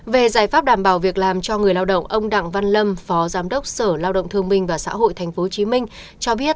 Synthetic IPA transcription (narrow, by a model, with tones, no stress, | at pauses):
ve˨˩zaː˧˩jfaː˦˥p̚ɗaː˧˩mɓaː˧˩wvi˨˩ək̚laː˨˩mt͡ɕɔ˧ŋɨ˨˩əjlaː˧wɗə̰˧˨wŋ͡mʔə˧wŋ͡mɗa̰˧˨ŋva˧nlə˧mfɔ˨˦zaː˨˦mɗə˦˥wk͡p̚səː˧˩laː˧wɗə̰˧˨wŋ͡mt̪ʰɨ˧əŋmï˧ŋ̟vaː˨˩sa̰ː˧˥ɦo̰˧˨jt̪ʰɛ˨˩jŋ̟fo˨˦˨t͡ɕi˨˦mï˧ŋ̟ | t͡ɕɔ˧ɓi˦˥ət̚